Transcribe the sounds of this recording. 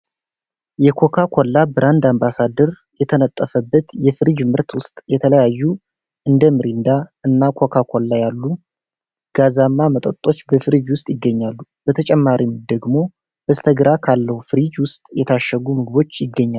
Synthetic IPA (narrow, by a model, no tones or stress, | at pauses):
jɛkʰo̞kʰakʰolːabɨɾʔand̪ambasad̪əɾ | jɛt̪ʰənət̪ʼːəfəbːət̪jɛfɨɾid͡ʒmɨɾt̪wʊst̪ʼjɛt̪ʰələjajːu | ʔɨnd̪əmɨɾind̪aɨnːakʰo̞kʰakʰolːajalːu | ɡ̥azamːamət̪ʼət̪ʼːo̞t͡ʃːbəfɨɾid͡ʒwʊst̪ʼjɪɡːəɲːalːub̥ət̪ʰət͡ʃʼɛmːaɾimd̪əɡmo̞ | b̥əst̪ʰəɡɨɾakʰalːəhufɨɾid͡ʒwʊst̪ʼjɛt̪ʰaʃːəɡumɨɡɨbo̞t͡ʃːjɪɡːəɲːa